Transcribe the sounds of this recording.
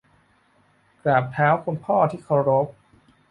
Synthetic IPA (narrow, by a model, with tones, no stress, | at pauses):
kɾaː˨˩p̚t̪ʰaː˦˥wkʰo˧npʰɔː˥˩t̪ʰiː˥˩kʰa˧wɾo˦˥p̚